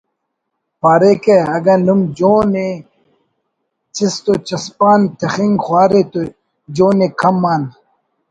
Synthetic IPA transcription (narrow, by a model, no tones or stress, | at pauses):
paːɾekeɐɡɐnumd͡ʑoːne | t͡ɕist̪ot͡ɕɐspaːnt̪ʰɐxiŋɡxwaːɾet̪o | d͡ʑoːnekʰɐmːaːn